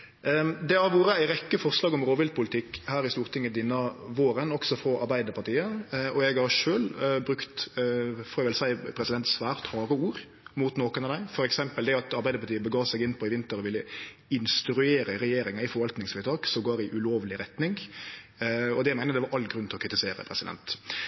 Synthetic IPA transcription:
d̪ɛhɑɾʋuːɾəæɪɾɛkːəfɔʁʂlɑːɡɔmɾoːʋɪld̪̚pʰʊlɪt̪ʰɪkːhæːɾɪst̪uːɾt̪ʰɪŋːəd̪ɪnːəʋoːɾənɔksɔfɾɔʔɑ̰ɾbæɪd̪əpʰɑʈiːəʔɔɛɡhɑɾʂøːlbɾʉkt̪ | foːɑʋɪlsæɪpʰɾɛsɪd̪ɛnt̪sʋæːɾt̪hɑːɾəuːɾ | mut̪noːkənɑd̪æɪfɔɾɛksɛmpəld̪ɛɑt̪ɑɾbæɪd̪əpɑʈ̪ʰiːəbəɡɑːʋsɛɡɪnːpʰɔɪʋɪnt̪əɾɔʋɪlːə | ɪnst̪ɾʉeːɾəɾɛjeːɾɪŋɑɪfɔɾʋɑlt̪nɪŋsfɪɾət̪ʰɑːksɔmɡoːɾɪʔʉloːʋlɪɾɛt̪nɪŋ | ɔd̪ɛæɪmæɪnəd̪ɛʋɑɾʔɑlːɡɾʉnt̪ɪlɔkʰɾɪt̪ɪseːɾə̰pʰɾɛsɪd̪ɛ̰nt̪

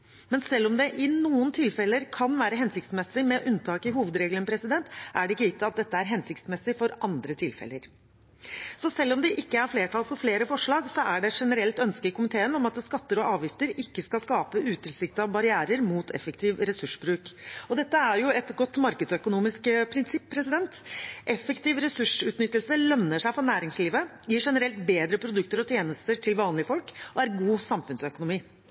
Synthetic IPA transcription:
mɛnsɛlːɔmd̪ɛʔɪnuːənt̪ʰɪlfɛlːəɾkʰɑnʋæːɾəɦɛnsɪk̚t̪smɛsːɪmɛʔʉnt̪ʰɑːkɪɦuːʋəd̪ɾeːɡlənpʰɾɛsɪd̪ɛnt̪ʔæɖɛɪkːəɪt̪ːɑt̪̚d̪ɛt̪ːəæɾɦɛnsɪk̚t̪smɛsːɪfɔɾʔɑnd̪ɾət̪ʰɪlfɛ̰lːə̰ɾ | sɔsɛlːɔmd̪ɛʔɪkːəæɾfleːʈʰɑlfɔɾfleːɾəfɔʂɭɑːɡsɔæɖɛʂɛnəɾɛlt̪œnskəkʊmɪt̪ʰeːənɔmɑt̪skɑt̪ːəɾɔʔɑːʋjɪft̪əɾɪkːəskɑlskɑːpəʔʉːt̪ʰɪlsɪkt̪ɑbɑɾɪæːɾəɾmuːt̪ʰɛ̰fək̚t̪ʰiːʋɾɛsʉʂbɾʉːkɔd̪ɛt̪ːəæɾjʊɛt̪ɡɔt̪ːmɑɾkəd̪sœkʊnuːmɪskpʰɾɪnsɪpʰːɾɛsɪd̪ɛnt̪ʔɛfːəkt̪ɪːʋɾɛsʉʂʉːt̪nʏt̪ːəlsəlœnːəʂæɪfɾɔɾnæːɾɪŋsliːʋə | jiːʂɛnəɾɛlt̪beːd̪ɾəpʰɾʊd̪ʉkt̪əɾɔt̪ʰjeːnəst̪əʈʰɪlʋɑːnlɪəfɔlkʔɔæɾɡuːsɑmfʉnsœkʊnʊmiː

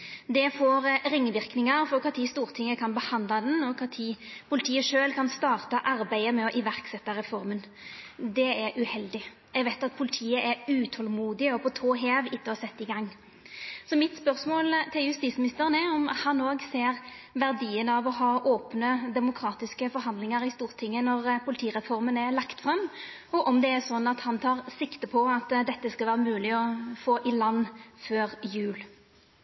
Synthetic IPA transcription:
d̪ɛfoːɾɾɪŋːʋɪɾknɪŋəɾfɔɾpʰɑt̪ʰiːst̪uːɾt̪ʰɪŋːəkʰɑnbəhɑnd̪lɑd̪ɛnɔpʰɑt̪ʰiːpʰʊlɪt̪ʰiːəʂøːlkʰɑnst̪ɑːʁt̪ɑʔɑɾbæɪəmɛɔʔɪʋæʁksɛt̪ːɑɾɛfɔɾmənd̪ɛɛɾʔʉhɛld̪ɪ | ɛɡʋæɪt̪ɑt̪̚pʰʊlɪt̪ʰiːəʔɛɾʉːt̪ʰɔlmuːd̪ɪɔpʰɔt̪ʰoːɦeːʋɪt̪ːəhɑsɛt̪ːɪɡɑŋː | sɔmɪt̪spœʁsmoːlt̪ʰɪljʉst̪iːsmɪnɪst̪əʁənɛɔmhɑnːoːɡseːʁ | ʋæʁd̪iːənəɑʋɔɦɑːʔoːpnəd̪ɛmʊkʰɾɑːt̪ɪskəfɔɾɦɑnd̪lɪŋəɾɪst̪uːʁt̪ʰɪŋːənɔʁpʰʊlɪt̪ʰiːʁɛfɔʁmənɛlɑkt̪fɾɑm | ɔʔɔmd̪ɛæsɔnːɑt̪hɑnt̪ʰɑːʁsɪkt̪əpʰɔɑt̪d̪ɛt̪ːəskɑlʋæːʁəmʉːlɪɔfoːʔɪlɑnːføːʁjʉːl

